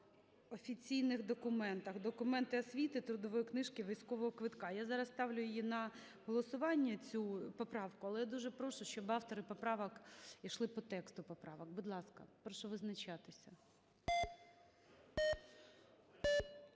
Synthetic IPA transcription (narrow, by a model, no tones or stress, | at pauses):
ɔfʲit͡sʲijnɪxd̪ɔkʊmɛnt̪ɐxd̪ɔkʊmɛnt̪ɪɐsʲʋʲit̪ɪt̪ɾʊd̪ɔʋɔjɔknɪʃkɪʋijsʲkɔʋɔɦɔkʋɪt̪kɑjazɑɾɐsst̪ɑwlʲʊjʊjjinɐ | ɦɔlˠɔsʊʋɑnʲːɐt͡sʲupɔpɾɑwkʊɐlˠɛjad̪uʒɛpɾɔʃʊʃt͡ʃɔbɑft̪ɔɾɪpɔpɾɑʋɐkiʃlˠɪpɔt̪ɛkst̪ʊpɔpɾɑʋɐk̚bʊd̪lˠɑskɐ̰pɾɔʃɔʋɪznɐt͡ʃɑt̪ɪsʲɐ